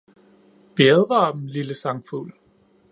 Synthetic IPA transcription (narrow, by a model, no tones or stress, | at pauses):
ʋ̥iɛðˠʁɑb̥mliləsɑ̈ŋfṵl